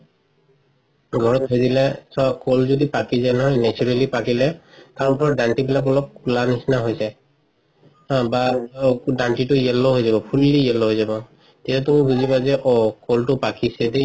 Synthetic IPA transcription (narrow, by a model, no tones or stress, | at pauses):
ɡʱɔɹɔtɦɔjdilɛsakolzodipakizajnɔɦɔjnɛt͡ʃuɹalipakilɛtaɹupɔɹdantibilak̬ɔlɔp̚kulanisnaɦojsɛ | hãba | danʈitʊjɛlːɔɦojzabɔpʰulːiɛlɔɦojzabɔ | tɛtatumibuzibazɛʔɔkoltʊpakisɛde